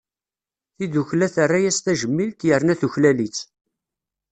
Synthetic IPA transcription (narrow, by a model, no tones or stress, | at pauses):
θiðuçlæθərˤːajæst̪æʒəmːilt̪jəɾnæθuçlælit͡sː